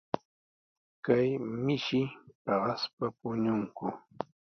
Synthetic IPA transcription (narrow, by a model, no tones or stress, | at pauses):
kajmɪʃɪpɑɢɑspapʊɲʊŋkʊ